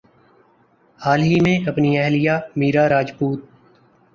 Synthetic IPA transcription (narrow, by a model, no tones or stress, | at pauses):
haːlɦiːmẽːʔəpniːɛɦlijaːmiːɾaːɾaːd͡ʒpuːt̪̚